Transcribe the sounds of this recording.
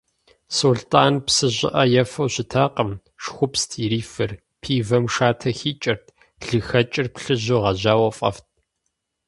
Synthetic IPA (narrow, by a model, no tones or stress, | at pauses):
soːɮtʰʼaːnpsɨʑɪ̰ʔɐjɛfɐwɕɪtʰaːqəm | ʂxʷʊpstʰiɾiːfɨr | pʰiːvɐmʂaːtʰɐxiːt͡ʃʼɪrtʰ | ɮɨxɐt͡ʃʼɪrpɬɨʑoʁɐʑaːwɐfʼɐ̰ft̚ʰ